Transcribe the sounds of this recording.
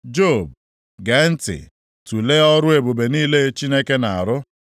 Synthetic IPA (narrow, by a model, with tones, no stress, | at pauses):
d͡ʒo˦˨b̚ | ɡe˨˦n̩˦tɪ̰˨ | tu˨le˦ɔ˦ɾʊ˦e˨bo˨be˨niː˦le˦t͡ʃi˦ne˦ke˦na˨a˨ɾʊ˦